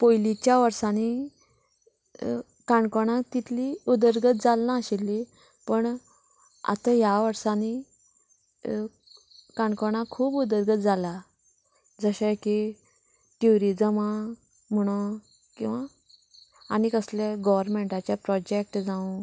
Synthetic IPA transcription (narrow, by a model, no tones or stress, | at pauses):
pojlit͡ɕjaʋəɾsani | kaɳkoɽ̃ãt̪it̪ʰliud̪əɾɡət̪̚d͡zalːãːɕilːi | pəɳ | a̰t̪ajaʋəɾsani | kaɳkoɽ̃ãkʰuːbud̪əɾɡət̪̚d͡zala | d͡zəɕẽki | ʈjuɾid͡zəma | m̤əɽ̃o | kĩw̃ʋa | a̰ñikəsleɡɔʋəɾmeɳʈat͡ɕjapɾɔd͡ʑek̚ʈd͡zãũ